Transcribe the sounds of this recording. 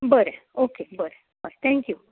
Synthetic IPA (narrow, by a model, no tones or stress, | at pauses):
bəɾeokebəɾe | bəɾt̪ʰɛ̃ŋkju